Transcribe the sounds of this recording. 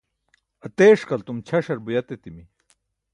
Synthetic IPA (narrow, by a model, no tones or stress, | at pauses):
ɐt̪eːʂkɐlt̪umt͡ɕʰɐʂɐɾbujɐt̪et̪imi